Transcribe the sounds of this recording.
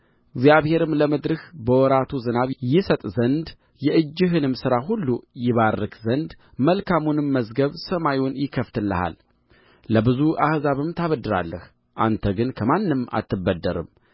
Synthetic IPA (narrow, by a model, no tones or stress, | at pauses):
ɪɡzjaβhe̞ɾɨmləməd̪ɾɨhbəwɔɾat̪ʰuzɨnaβjɪsət̪ʼzənd̪ | jɛʔɨd͡ʒːɪɦɨnɨmsɨɾaɦulːujɪβarːɨkzənd̪ | məlkʰamunɨmːəzɡəβsəmajunjɪkʰːəft̪ʰɨlːəha̰l | ləbɨzuʔahzaβɨmt̪ʰaβəd̪ːɨɾa̰lːəh | ʔa̰nt̪ʰəɡɨnkʰəmanːɨma̰t̪ːɨbːəd̪ːəɾɨ̰m